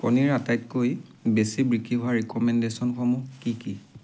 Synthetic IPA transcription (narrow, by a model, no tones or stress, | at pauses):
kɔ̰niɹatajtkojbesibɹikiɦɔaɹikɔmɛndesɔnxɔmukiki